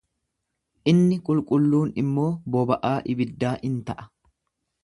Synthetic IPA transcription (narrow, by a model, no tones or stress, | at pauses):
ʔɪnːɪkʼʊlkʼʊlːuːnɪmːo̞ːbɔbɐʔaːʔɪbɪd̪ːaːʔɪnt̪ɐʔɐ̥